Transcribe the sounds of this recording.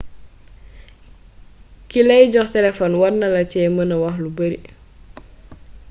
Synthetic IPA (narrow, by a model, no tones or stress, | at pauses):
kilɛjɟɔxtɛlɛfɔnwɐrnɐlɐcɛːmənɐwɐxlubəɾi